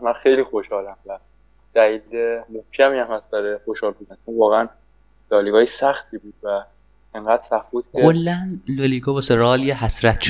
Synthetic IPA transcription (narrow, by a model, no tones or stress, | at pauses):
mænxejliːxoʃhɒːlæmvæ | d̪̥æliːlemohcʰæmiːæmhæsbæɾexoʃhɒːlbuːd̪ænt͡ʃʰonvɒːɣeæn | lɒːliɡɒːjesæxt̪ʰiːbuːd̪̥væ | eŋɡæːd̪̥sæfbuːd̪̥̚cʰkʰeolːænloliɡɒvɒseɾɒːljehæsɾæt̪ʰʃ